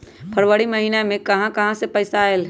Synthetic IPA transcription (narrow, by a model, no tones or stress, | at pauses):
pʰəɾwəɽiməɦiːnamẽkɐɦãkɐɦãsepəɪsael